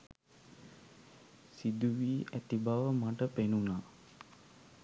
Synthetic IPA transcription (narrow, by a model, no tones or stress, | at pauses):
sid̪uʋiːʔæt̪ibaʋəmaʈəpenunaː